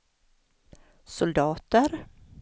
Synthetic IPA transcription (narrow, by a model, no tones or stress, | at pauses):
sʊld̪ɑːt̪əɾ